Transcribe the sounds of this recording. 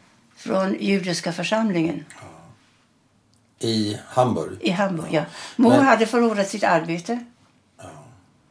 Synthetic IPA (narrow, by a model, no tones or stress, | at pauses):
fɾɔnjʉ̟ːd̪ɪʂkafœʂamlɪŋən | ɪhambɔ̰ɾjʔɪɦambɔɾjɑmuɦad̪əfœɭuːɾat̪sɪt̪aɾbeːt̪ə